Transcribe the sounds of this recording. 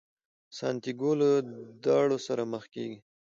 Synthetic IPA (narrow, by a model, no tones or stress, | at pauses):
sɑ̰nt̪iɡoləd̪ɑɽosaɾaməxkḛɡi